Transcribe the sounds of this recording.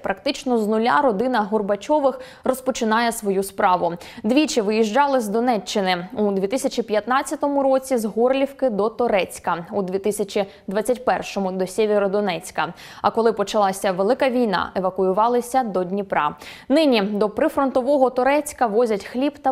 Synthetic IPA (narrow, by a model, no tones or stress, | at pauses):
pɾɐk̚t̪ɪt͡ʃnɔznʊlʲa̰ɾɔd̪ɪnɐɦɔrbɐt͡ʃɔʋɪx | rɔspɔt͡ʃɪnɑjɛsʋɔjuspɾɑʋʊ | d̪ʋʲit͡ʃɪʋɪjiʒd͡ʒɑlˠɪzd̪ɔnɛt͡ʃːɪnɪud̪ʲʋʲit̪ɪsʲɐt͡ʃipʲjɐt̪nɑt͡sʲjɐt̪ɔmʊɾɔt͡sʲizɦɔrlʲiwkɪd̪ɔt̪ɔɾɛt͡sʲkɐud̪ʲʋʲit̪ɪsʲɐt͡ʃʲi | d̪ʋɑt͡sʲːɐtʲpɛrʃɔmʊd̪ɔsʲeʋʲeɾɔd̪ɔnɛt͡sʲkɐ | ɐkɔlˠɪpɔt͡ʃɐlˠɑsʲɐʋelˠɪkɐʋʲijnɑ̰ʔeʋɐkʊjʊʋɑlˠɪsʲɐd̪ɔdʲnʲipɾɑ̰ | nɪnʲid̪ɔpɾɪfɾɔnt̪ɔʋɔɦɔt̪ɔɾɛt͡sʲkɐʋɔzʲɐtʲxlʲibt̪ɐ